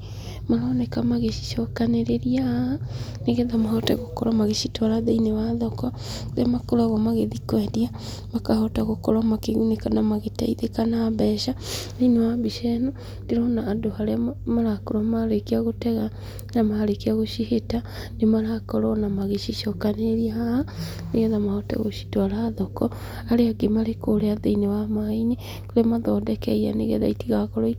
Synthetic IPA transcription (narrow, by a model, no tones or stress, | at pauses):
maɾɔːnɛkamaɣeʃi̥ʃɔkaneɾeɾia | neɣɛðamaɦɔta̰ɣokɔɾamaɣeʃitwaɾaðeinewaðɔkɔ | ðeamakoɾaɣɔmaɣeðikwɛdia | makahɔtaɣokɔɾamakeɣunekanamaɣeta̰iðekanaβɛʃaðeinewaβiʃɛnɔ | ndeɾɔnaːdohaɾeamaɾakoɾamaɾekiaɣotɛɣa | namaɾekiaɣoʃiheta | nemaɾakɔɾɔnamaɣeʃiʃɔkaneɾiahaha | neɣɛðamahɔta̰ɣo̰ʃi̥twaɾaːðɔkɔ | aɾeaɡemaɾekoɾeaðeinewamaiɲe | koɾemaðɔdɛkɛia̰nḛɣɛ̰ða̰itiɣakɔɾɔi